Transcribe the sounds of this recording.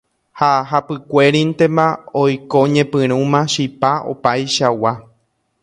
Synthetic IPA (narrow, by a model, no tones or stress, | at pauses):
haɦapɨkʷe̞ɾĩnt̪emãojkoɲẽpɨ̃ɾ̃ũmãʃipao̰pajʃawa